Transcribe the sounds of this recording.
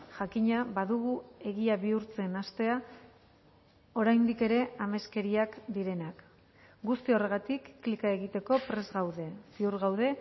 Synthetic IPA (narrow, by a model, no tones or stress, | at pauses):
ʝakiɲaβaðuɣ̞ue̞ɣiaβiuɾt͡se̞nast̪e̞a | o̞ɾajnd̪ike̞ɾe̞ame̞ske̞ɾiakd̪iɾe̞nak | ɡust̪io̞re̞ɣat̪ikːlikae̞ɣ̞it̪e̞ko̞pɾe̞zɣawðe̞siuɾɣawð̞e̞